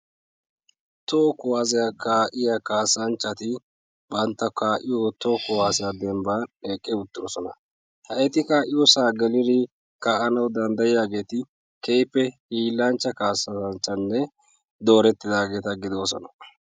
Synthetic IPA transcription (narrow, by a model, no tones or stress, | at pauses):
t̪okʊwaːzɛjakaːʔɪjakaːsːɐnt͡ʃːɐt̪ɪ | bɐnt̪ːɐkaːʔɪjot̪okʊwaːsɛjad̪ɛmbaːneːkʼːɛʊt̪ːɪɾɔsɔnɐ | hɐʔɛt̪ɪkaːʔɪjosaːɡɛlɪɾɪ | kaːʔɐnɐwd̪ɐnd̪ɐjɪjaːɡe̞ːt̪ɪ | kɛjpːɛhiːlːɐnt͡ʃːɐkaːsɐɐnt͡ʃːɐnːɛ | d̪oːɾɛt̪ːɪd̪aːɡe̞ːt̪ɐɡɪd̪oːsɔ̰nɐ̥